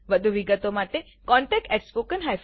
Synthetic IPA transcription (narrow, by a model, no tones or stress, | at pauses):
ʋəd̪ʱuʋiɡət̪omaʈe | kɔ̃ɳʈɛk̚ʈɛʈspokənɦajf